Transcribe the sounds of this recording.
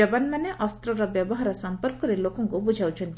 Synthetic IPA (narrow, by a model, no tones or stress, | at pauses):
ɐbɐnmɐneʔɔst̪ɾɔɾɐbjɐbɔɦaɾɐsɐmpəɾkɔɾeloːkõŋkobud͡ʒʱawt͡ʃʰũnt̪